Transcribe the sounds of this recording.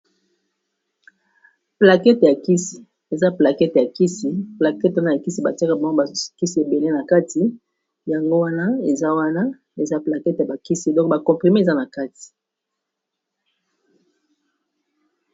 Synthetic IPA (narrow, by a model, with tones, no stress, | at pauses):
pla˨kɛ˦tja˨ki˦si̥˨ | e˨za˦pla˨kɛ˦tja˨ki˦si˦pla˨kɛ˦twa˦na˨ja˨ki˦si˦ba̰˨ti˦a˦ka˦ba˦ŋ˦ɡo˦ba˨ki˦si˦e˨be˨le˦na˨ka˦ti˨ | ja˨ŋɡo˦wa˦na˦e˨za˦wa˦na˦ | e˨za˦pla˨kɛ˦tja˨ba˨ki˦si˦˨dɔ̃˦k̚ba˨kɔ̃˨mpʁi˨me˦˨za˦na˨ka˦ti̥˨